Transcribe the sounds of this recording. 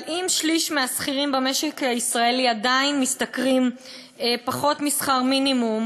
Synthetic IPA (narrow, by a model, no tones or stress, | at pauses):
imʃliʃmeasχiʁimbemeʃekhaisʁaeliadainmistakʁim | epaχo̞tmisχaʁminimum